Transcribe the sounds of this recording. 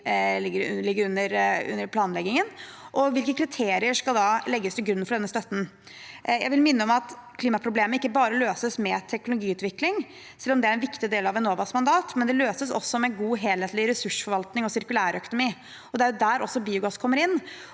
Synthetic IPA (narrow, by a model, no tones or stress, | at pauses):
əlɪɡːəɾʉnːəɾʉ̰nːəɾpʰlɑːnlɛɡɪŋənʔɔʋɪlkəkʰɾɪt̪ʰeːɾɪəʂkɑld̪ɑlɛɡːəst̪ʰɪlɡɾʉnːfɔɖɛnːəst̪œt̪ːn̩ | jæɪʋɪlmɪnːəɔmɑt̪kʰliːmɑpʰɾʊbleːmənɪkːəbɑːɾəløːsəsmɛt̪ʰɛk̚nʊlʊɡiːʉːt̪ʋɪklɪŋ | sɛlːɔmd̪ɛæɾɛnʋɪkt̪ɪd̪eːlɑʋɛnoːʋɑsmɑnd̪ɑːt̪mɛnd̪ɛløːsəsɔ̰sːɔmɛɡuːɦeːlheːt̪lɪɾɛsʉʂfɔɾʋɑlt̪nɪŋɔsɪɾkʉlæːɾœkʊnʊmiː | ɔd̪ɛæɾjʊd̪æɾɔsːɔbiːʊɡɑskʰɔmːəɾɪnː